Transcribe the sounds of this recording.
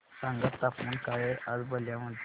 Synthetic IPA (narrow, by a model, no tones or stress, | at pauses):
sãŋɡət̪ːapuːnkajeʔad͡zbəljaməd̪